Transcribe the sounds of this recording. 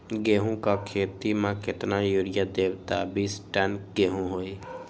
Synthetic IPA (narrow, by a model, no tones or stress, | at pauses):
ɡeːɦũkakʰeːt̪imãkɪt̪najoɽɪjad̪eːbt̪abiːsʈɛnkɡeːɦũɦoːeː